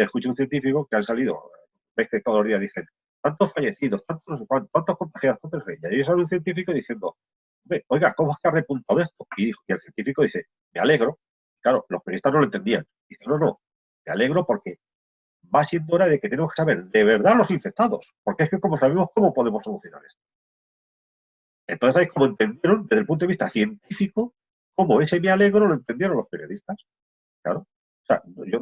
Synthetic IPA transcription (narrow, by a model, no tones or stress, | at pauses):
eskut͡ʃeunθje̞nt̪ifiko̞keansaliðo̰ | be̞hket̪o̞ðlo̞zðiaðiθe̞n | t̪ant̪o̞sfaʝe̞θiðo̞st̪ant̪okwant̪ant̪ohko̞nt̪axjaðot̪ant̪esβeʎaesaβunθje̞nt̪ifikoðiθje̞nd̪o̞̰ | omeojɣakomoeskeare̞punt̪awe̞st̪o̞iðixoielθje̞nt̪ifiko̞ðiθe̞ | me̞ale̞ɣɾo̞ | iklaɾo̞̰lo̞spenist̪aznolont̪e̞nd̪ian | d̪iθeno̞no̞ | me̞a̰le̞ɣ̞ɾo̞po̞ɾke̞ | basje̞nd̪ooɾað̞e̞ket̪enemokesaβe̞ɾðe̞β̞e̞ɾðalo̞siɱfek̚t̪aðo̞̰spo̞ɾkeeskeko̞mo̞saβemo̞sko̞mo̞po̞ðe̞mo̞so̞luθjo̞na̰ɾe̞st̪o | nt̪oθesaji̥ko̞moe̞nt̪e̞nd̪je̞ɾo̞nd̪ezðelpunt̪oist̪aθje̞nt̪ifiko | ko̞mo̞e̞semeale̞ɣɾo̞loe̞nt̪e̞nd̪je̞ɾo̞nlo̞speɾjo̞ðist̪as | kla̰ɾo | sea̰noʝo